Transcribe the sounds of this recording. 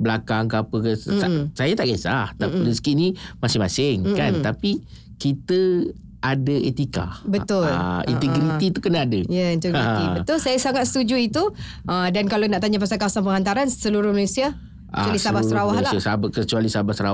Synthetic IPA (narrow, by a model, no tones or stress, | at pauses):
bəlakaŋkapəkəasajat̪aʔɡesa̰ht̪apidəsə̥kiʔnimasɪmasɪŋkant̪api | kit̪ə | ʔadəet̪ika̰bət̪ʊlḭnt̪əɡɾit̪it̪ukənaːdəjaint̪əɡiibət̪ʊlsajasaŋat̪̚sə̥t̪ud͡ʒuit̪u | ʔədankalonaʔt̪aɲapasalkawasaŋpəŋhant̪aɾansəluɾʊhmanũsia | ʔat͡ʃwalisabaɾawahhlaiasabkət͡ʃualisabahsəɾa̰w